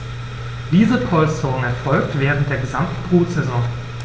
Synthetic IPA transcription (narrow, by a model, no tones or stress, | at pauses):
d̥iːzəpʰɔlst͡sɔŋ̩ɛɐfɔlktv̥eːʁən̩t̚d̥eːɐɡəzamtn̩bʁuːtz̥ɛzɔ̃ŋ